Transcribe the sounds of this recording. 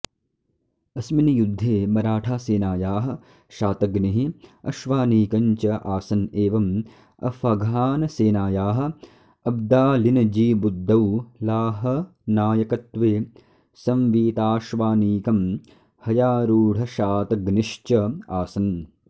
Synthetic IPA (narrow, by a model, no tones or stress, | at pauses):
ɐsminɐjud̪ʱːeːmɐɾaːʈʰaːseːnaːjaːɦɐ̆ | ʃaːt̪ɐɡniɦiɐʃʋaːniːkɐɲt͡ʃɐʔaːsɐneːʋɐm | ɐ̰fɐɡʱaːnɐseːnaːjaːɦɐ̆ | ɐb̚d̪aːlinɐd͡ʒiːbud̪ʱːɐwlaːɦɐ | naːjɐkɐt̪ʋeː | sɐmʋiːt̪aːʃʋaːniːkɐm | hɐjaːɾuːɽ̤ʱɐʃaːt̪ɐɡniʂt͡ʃɐaːsɐn